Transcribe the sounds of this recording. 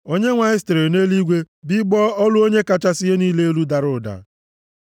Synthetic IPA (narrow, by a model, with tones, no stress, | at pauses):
o˦ɲe˦ŋʷa˨ɪ˦stɾe˨ne˦li˦ɡʷe˦ | bɪ˦ɡ͡bɔ˦ɔ˦lʊ˦o˦ɲe˦ka˦t͡ʃa˦sɪ˦e˦niː˦le˦e˦lu˦da˨ɾʊ˦˨da̰˨